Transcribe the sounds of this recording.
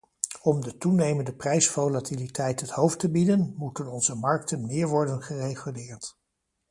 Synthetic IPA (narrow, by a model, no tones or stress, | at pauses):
ɔmdətunejməndəprɛjsvowlatilitʰɛjtɦəthowftəbidənmutənɔnzəmɑɹk̚tənmɪːɹʋɔɹdənχərejχylɪːɹt